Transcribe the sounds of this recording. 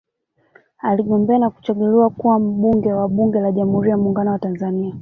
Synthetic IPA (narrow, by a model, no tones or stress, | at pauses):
aliɠɔmbɛanaku̥t͡ʃaɠuliwakuwam̩ɓuŋɡɛwaɓuŋɡɛlaʄam̩uhuɾijamuːŋɡanɔwatanzania